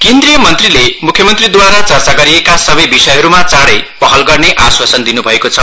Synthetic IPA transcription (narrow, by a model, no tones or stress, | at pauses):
kend̪rijʌmʌnt̪rilemukʰjʌmʌnt̪rid̪waɾat͡sʌrt͡saɡʌɾiekasʌbʌjbisʌjɦʌɾumat͡saɽʌjpʌɦʌlɡʌrneʔaswasʌnd̪inubʱʌekot͡sʰʌ